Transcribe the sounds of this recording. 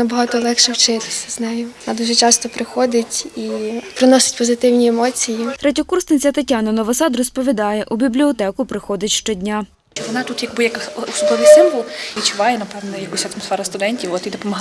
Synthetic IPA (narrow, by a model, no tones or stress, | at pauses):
nɐbɔɦɑt̪ɔlˠɛkʃɛwt͡ʃɪt̪ɪ̥sʲɐznɛjʊɔnad̪uʒɛt͡ʃɑst̪ɔpɾɪxɔd̪ɪtʲipɾɪnɔsʲɪ̥tʲpɔzɪt̪ɪwnʲiemɔt͡sʲijit̪ɾɛtʲɔkursnɪt͡sʲɐt̪ɐtʲːanɐnɔʋɔsɑd̪rɔspɔʋʲid̪ɑjɛʔubʲiblʲiɔt̪ɛkʊpɾɪxɔd̪ɪtʲʃt͡ʃɔdʲnʲa | t͡ʃɔʋɔnɑt̪ut̪jɐɡbɪjɐkusʊd̪ɔʋʲisɪmʋɔlˠʋʲit͡ʃʊʋɑjɛnɐpɛʋnɛjɐkusʲɐt̪mɔsfɛɾɐst̪ʊd̪ɛnʲtʲiwɔt̪id̪ɔpɔmɔ